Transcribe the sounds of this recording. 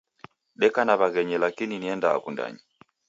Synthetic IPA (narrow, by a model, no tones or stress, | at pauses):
ɗɛkanaβaɣɛɲɛlakininiɛnda̰ːkunda̰ɲi